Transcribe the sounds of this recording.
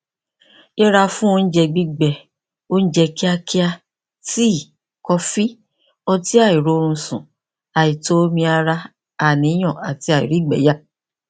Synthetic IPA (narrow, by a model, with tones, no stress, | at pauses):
e˦ɾa˧fũ˦o˧n̩˦d͡ʒɛ˧ɡ͡bi˦ɡ͡bɛ˨ | o˦ñ̩˦d͡ʒɛ˧ki˦a˧ki˦a˧ | ti˦˨ | kɔ˧fi˦ | ɔ˧ti˦a˦˨i˨ɾo˨˦o˧ɾ̃ũ˧sṵ̃˨ | a˨i˨to˦o˦mĩ˧a˧ɾa˧ | a˨nĩ˨˦j̃ɔ̃˨a˨ti˧a˨ḭ˨ɾi˦˨ɡ͡bɛ̰˨˦ja˦